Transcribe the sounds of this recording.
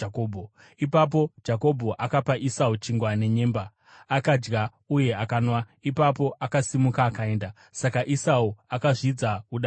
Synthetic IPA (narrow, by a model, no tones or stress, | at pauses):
kobʱo | ipap̬o̞d͡ʒako̞bʱo̞ʔakapaʔisaut͡ʃiŋɡwane̞ɲe̞ːmbaː | kad͡ʒɡa | uje̞akaːnwa | ipap̬o̞ʔakasimukaːkae̞ːnda | sakaʔisauakaʐid͡zauɗa